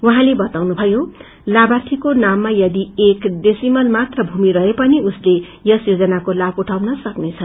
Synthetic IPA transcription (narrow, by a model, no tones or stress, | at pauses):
uɦãlebʌt̪awnubʱʌjo | labat̪ʰikonamːajʌd̪iekdesimʌlmat̪rʌbʱumiɾʌɦepʌniusle | jʌsjod͡zʌnakolabuʈʰawnʌsʌknet͡sʰʌn